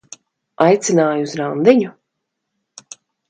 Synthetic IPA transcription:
ajt̪sinaːjuuzɾand̪iɲu

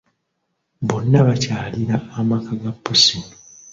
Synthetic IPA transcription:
bonːaβacaːliɾaːmakʰaɡapːosino

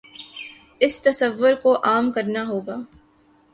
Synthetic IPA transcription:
ɪst̪ɐsəʋːʊɾkoʔaːmkɐɾnaɦoːɡaː

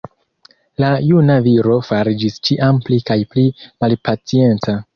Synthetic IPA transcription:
lajunaviɾo̞faɾid͡ʒist͡ʃiʔamplikajplimalpat͡sie̞nt͡sa

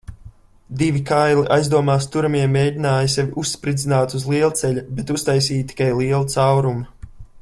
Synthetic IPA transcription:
d̪ivʲikajliʔajzd̪uɔmaːst̪uɾamiɛmːeːjdʲinaːjsʲɛvʲiʔusːpɾid̪zinaːt̪uzlˠiɛlˠt̪sɛʎʲubɛt̪ust̪ajs̬iːt̪i̥kajlˠiɛlˠut̪sawɾum

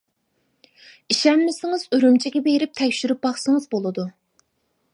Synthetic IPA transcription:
iʃɛmːɪsɪŋɨzøɾymt͡ʃʰiɡʲɛbejɾɪp̚t̪ʰɛkʲʃyɾyp̚bɑχsɨŋɨzbolˠɨd̪u

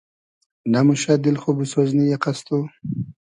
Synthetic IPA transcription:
namʊʃad̪ɪlxobusoznijaqast̪u

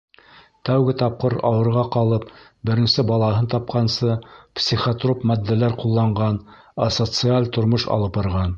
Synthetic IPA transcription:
t̪æwɡɘt̪ɑp̚qɤɾɑ̰wɤ̆ɾʁɑqɑlˠɤp̚ | bɘ̆ɾɘ̆nsɘbɑlˠɑɦɤnt̪ɑp̚qɑnsɤpsʲiχot̪ropmæd̪ːælæɾqulˠːɑɴʁɑn | ɐsot̪sɨalʲt̪ŏɾmoʃɑ̰lˠɤpbɑɾʁɑn

